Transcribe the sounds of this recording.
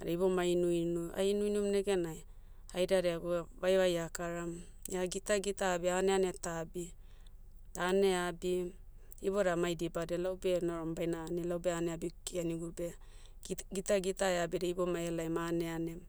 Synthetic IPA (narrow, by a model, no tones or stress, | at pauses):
a̰ɾejbo̞mainujnua̰inujnumneɡenaj | ajɾaɾeaɡuβajβajakaɾam | jaɡitaɡitabianeanetabi | tane̞abi | ibo̞ɾamajdibadelawbe̞noɾambajnanelawbeaneabikianiɡuɾbe | ɡitaɡitaeabeɾeibo̞maelajmaneane